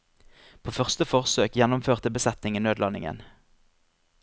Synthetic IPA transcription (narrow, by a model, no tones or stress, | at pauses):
pʰoːfœʁst̪əfɔʁsøːkjɛnʊmføːʁt̪əbəsɛt̪nɪŋənøːd̪lɑnɪ̰ŋə̰n